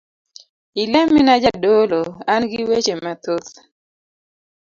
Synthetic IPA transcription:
ilɛmɪnad͡ʒadoloanɡɪwet͡ʃemat̪ot̪

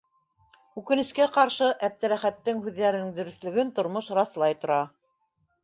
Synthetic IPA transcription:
ʉkɘ̆nɘ̆ʃkæqɑɾʃɤʔæp̚t̪ɘ̆ɾæχæt̪ːɘŋhʉðːæɾɘ̆nɘŋd̪ɵ̆ɾɵ̆θlɵ̆ɡɘnt̪ŏɾmoʃɾɑθlˠɑjt̪ŏɾɑ

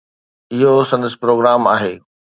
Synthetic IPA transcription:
ɪɦosɐ̃nd̪əspɾoːɡɾaːmaːɦeː

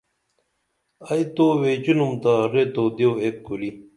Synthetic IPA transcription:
ɐjt̪owet͡ɕunumt̪aɾet̪od̪ewekkuli

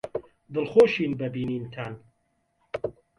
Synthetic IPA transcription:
d̪ɨlxoːʃiːnbɐbiːniːnt̪ʰan

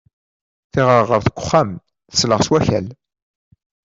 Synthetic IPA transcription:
θɪʁəɾʁəɾθəkʷːʊ̥χːam | θə̥sləʁswæçæl

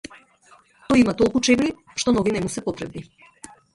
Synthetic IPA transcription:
t̪ɔjimat̪ɔlˠkut͡ʃɛbli | ʃt̪ɔnɔɡinɛmusɛpɔt̪ɾɛbni

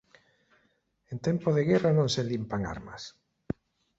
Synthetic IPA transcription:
ent̪empoðeɣɛranõŋselimpaŋa̰ɾma̰s

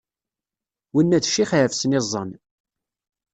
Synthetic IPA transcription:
winːæðʃːiχʕəfsənɪzˤːən

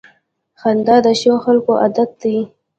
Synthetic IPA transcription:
xand̪ɑd̪əʃoxalkoʔad̪at̪̚d̪i

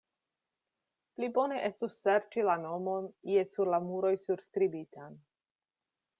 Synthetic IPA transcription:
plibo̞ne̞ʔe̞stusːe̞ɾt͡ʃilano̞mo̞niesuɾlamuɾo̞jsuɾskɾibitan

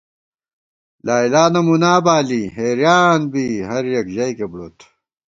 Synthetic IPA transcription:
laːilaːnɐmunaːbaːliːɦeːɾjaːnbiːɦɐɾjɐkʑɐjkebɽoːt̪ʰ

